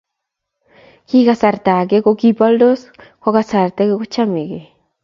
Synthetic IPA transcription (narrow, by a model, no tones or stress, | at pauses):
kikasaɾt̪akekokipald̪oskʷaɣasaɾt̪ekekot͡ʃamike